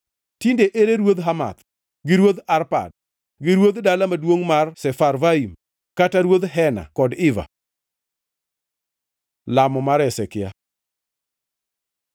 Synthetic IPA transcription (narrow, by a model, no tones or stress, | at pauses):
tindeʔeɾeɾwod̪ɦama̰t̪ | ɡɪɾwod̪aɾpa̰d̚ | ɡɪɾwod̪dalamadwoŋmarsɛfarvaim | kataɾwod̪ɦɛna̰kɔdɪva̰ | lamɔmaɾɛsɛkɪja̰